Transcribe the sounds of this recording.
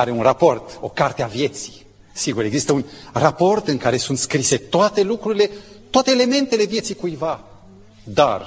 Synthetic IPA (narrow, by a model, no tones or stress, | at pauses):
aɾeunrapo̞rt̪o̞kart̪eavje̞t̪si̥ | siɡuɾe̞ɡzist̪əunrapo̞rt̪ɨŋkaɾe̞sunt̪skɾise̞t̪oat̪e̞lukɾuɾile̞t̪oat̪eːle̞me̞nt̪e̞le̞vjet̪sikujva | d̪ar